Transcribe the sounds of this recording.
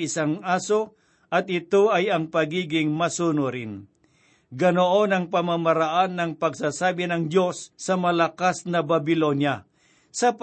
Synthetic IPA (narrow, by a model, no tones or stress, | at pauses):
ɪsaŋʔaːso | ʔɐt̪̚ɪt̪oɐjɐŋpɐɡiːɡɪŋmɐsuːnʊɾɪn | ɡɐnoʔonɐŋpɐmamaɾaʔanːɐŋpɐɡsaːsaːbɪnɐŋd̪jo̞sːɐmɐlɐkasnɐbɐbɪlonja | sɐp